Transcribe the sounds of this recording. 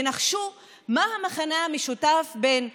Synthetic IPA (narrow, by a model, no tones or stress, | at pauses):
naχʃu | mahamaχanaameʃutafbe̞n